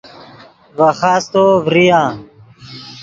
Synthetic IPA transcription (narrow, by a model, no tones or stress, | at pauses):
vaxaːst̪oːvɾijãː